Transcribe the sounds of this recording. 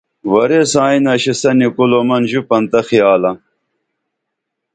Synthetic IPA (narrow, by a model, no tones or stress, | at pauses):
wɐɾesãːinɐɕisɐnikulomɐnʑupɐnt̪ɐxijaːlɐ